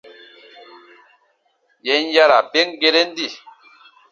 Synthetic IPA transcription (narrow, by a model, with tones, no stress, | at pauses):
jɛ˨˦n˦ja˦la˨pe˦ŋ˦ɡe˦ɾe˦n̩˦di˦˨